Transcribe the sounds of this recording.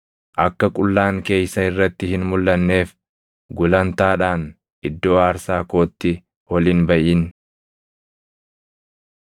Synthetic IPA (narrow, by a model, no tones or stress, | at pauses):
ʔɐkːɐkʼʊlːaːŋke̞ːjsɐɪrːɐt̪ːɪhɪnmʊlːɐnːe̞ːf | ɡʊlɐnt̪aːᶑaːn | ʔɪd̪ːo̞ːaːɾsaːko̞ːt̪ːɪ | wɔliːnbɐʔiːn